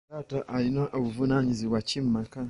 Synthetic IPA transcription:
aːtaʔaɾinaʔoβuvunaɲiziβwacim̩maka

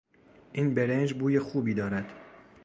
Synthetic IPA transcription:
ʔiːnbeɾend͡ʒbuːjexuːbiːd̪ɒːɾæd̪̥

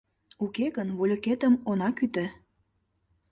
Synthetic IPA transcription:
ukeɣənvolʲoket̪əmonɑkyt̪ĕ

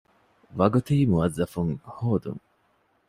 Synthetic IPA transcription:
ʋɐɡut̪eimuɐzːɐfuŋhoːd̪ṵŋ

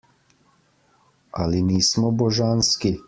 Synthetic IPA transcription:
a̰liniːsmɔbɔʒanski

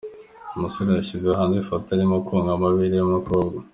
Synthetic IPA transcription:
umusoɾajaɕizeaɦaːnzifotaɾimokʰuŋɡamaβiɾijomukoɡo

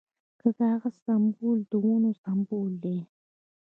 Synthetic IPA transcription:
kəkaːɣast̪ambuld̪əwunost̪ambuld̪e

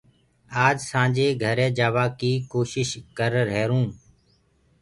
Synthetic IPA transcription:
aːd͡ʒsãːd͡ʒeːɡʱəɾɛ̃ːd͡ʒaːʋaːkiːkoːʃɪʃkəɾɾɛːɾũː

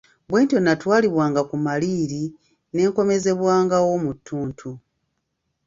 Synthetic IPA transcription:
bwe̞ːntio̞natwaːliβwaːŋɡakumaliːɾi | ne̞ːŋko̞me̞ze̞βwaːŋɡawo̞mutʰːuːntʰu

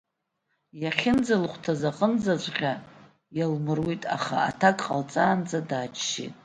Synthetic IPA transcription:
jaχʲɪnd͡zalχʷtʰazaqʼənd͡zat͡ɕʷʼqʲa | jalmɨrwitʼa̰χa̰atʰakʼqʼalt͡sʼaːnd͡zadaːt͡ʃʰʃḭtʼ

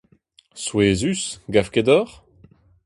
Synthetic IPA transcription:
sweːzysɡafked̪ɔʁ

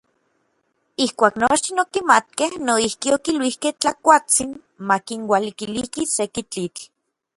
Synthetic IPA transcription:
ihkʷaːknoʃt̪inokimat̪̚kehnoihkiokilwihkeht͡ɬakʷat͡sin | makinwalikilihkisekit͡ɬit͡ɬ

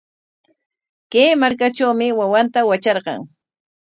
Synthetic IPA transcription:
keːmaɾkaʈ͡ʂawmɪwawant̪awat͡ʃɑɾɢɑ̰ŋ

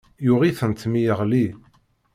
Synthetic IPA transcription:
jʊʁiθənt̪mijəʁli

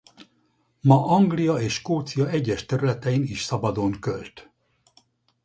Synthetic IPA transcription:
mɒʔɒŋɡlijɒeːʃkoːt̪sijɒɛɟːɛʃt̪ɛɾylɛt̪ɛiniʃsɒbɒd̪oŋkølt̪

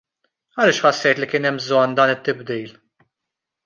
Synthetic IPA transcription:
ɐlɪːʃħɐsːɛjt̪likɪːnɛmbzɔnːd̪ɐːnɪt̪ːɪbd̪iːl

